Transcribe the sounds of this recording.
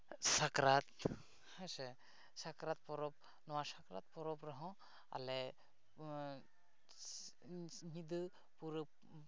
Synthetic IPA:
sakɾat̪ | hase | sakɾat̪̚pɔɾɔp̚ | nɔwasakɾa̰t̪̚pɔɾɔpɾɔɦɔ̃ | a̰le | ɦid̪ɯ | puɾ̚

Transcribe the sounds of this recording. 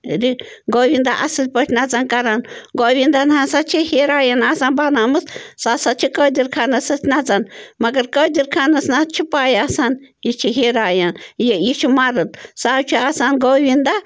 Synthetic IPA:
ɾi | ɡowind̪aʔa̰sɨlʲpot͡ʃnat͡sankaɾanɡoβind̪anahãsat͡ʃʰihiɾajanasanbanamɨssasat͡ʃʰikod̪iɾkʰanasɨt͡ʃnat͡sanmaɡəɾkod̪ʲiɾkʰanasnat͡ʃʰipajasanjit͡ʃʰiɦiɾajanjijit͡ʃʰimaɾɨt̪sat͡ʃʰiasanɡoβind̪a

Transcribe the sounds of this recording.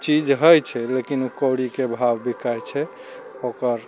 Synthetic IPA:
t͡ʃid͡ʒɦəjt͡ʃʰɛlekinukəwɽikebʱabbikajt͡ʃʰɛ | okəɾ

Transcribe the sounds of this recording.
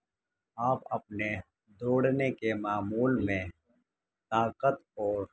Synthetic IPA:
aːpɐp̚ne | d̪oːɽnekemaːmuːlmẽ | t̪aːkət̪ɔːɾ

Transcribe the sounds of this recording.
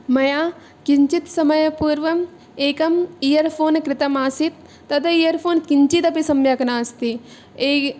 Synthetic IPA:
mɐjaː | kiɲt͡ʃit̪sɐmɐjɐpuːɾʋɐm | eːkɐmijɐɾpʰoːnkɾɪt̪ɐmaːsit̪ː | ɐt̪ʰɐijɐɾpʰoːnkiɲt͡ʃit̪ɐpisɐmjɐkɐnaːst̪i | eː

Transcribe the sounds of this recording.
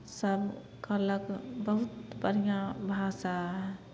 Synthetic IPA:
səb | kəɾləkbəɦut̪bəɾijãbʱasaɦɛ

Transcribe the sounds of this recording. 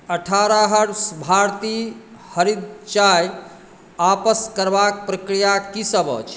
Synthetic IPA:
əʈʰaɾaɦəɽsbʱaɾt̪i | həɾid̪̚t͡ʃaj | apəskəɾbak̚pɾəkɾijakisəbə̰t͡ʃʰ

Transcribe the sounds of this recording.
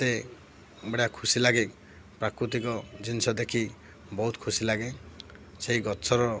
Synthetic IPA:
t̪e | beɽakʰusilaɡe | pɾakɾut̪̬ikɔd͡ʒinsɔd̪ekʰi | bɔɦut̪kʰusilaɡe | seɦiɡɔtːsʰɔɾɔ

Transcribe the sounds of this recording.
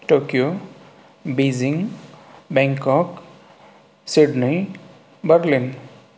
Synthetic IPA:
ʈokijo | biziŋ | bɛ̃ŋkɔk | siɖni | bəɾlin

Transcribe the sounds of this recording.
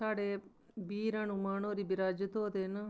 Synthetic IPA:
aːɽeː | biːɾãːnũmaːnõːɾiːbɪɾaːd͡ʒət̪oːd̪eːnə

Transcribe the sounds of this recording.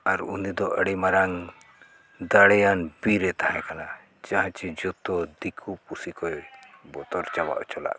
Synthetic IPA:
aɾṵnid̪ɔʔəɽimaɾaŋ | d̪aɽɛjanbiɾɛt̪ahɛ̃kana | d͡ʒaɦãt͡ʃɛd͡ʒɔt̪ɔd̪ikʰupusikɔɛbɔt̪ɔɾt͡ʃaba̰ʔt͡ʃɔla̰ʔ

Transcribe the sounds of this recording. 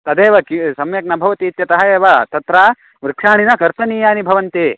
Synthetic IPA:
t̪ɐd̪eːʋɐkisɐmjɐknɐbʱɐʋɐt̪iːt̪jɐt̪ɐɦɐeːʋɐt̪ɐt̪ɾaː | ʋɾɪkʂaːɳinɐkɐɾt̪ɐniːjaːnibʱɐʋɐnt̪i

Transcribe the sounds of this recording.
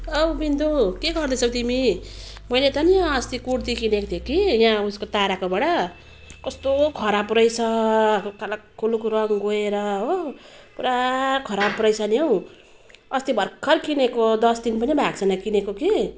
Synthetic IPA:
ʌbbind̪ukeɡʌrd̪ʌt͡sʰʌ̃t̪imimʌjlet̪ʌniʌst̪ikuɽt̪ikʰinekot̪ʰjekijãuskot̪aɾakobaɽʌ | kʌst̪okʰʌɾabrʌjt͡sʰʌkalakkʰːulukoɾʌŋɡoeɾʌo | puɾakʰʌɾabrʌjsʰʌnjew̃ | ʌst̪ibʱʌrkʰːʌrkinekod̪ʌsd̪inpʌnibʱaɡt͡sʰʌnʌkinekoki

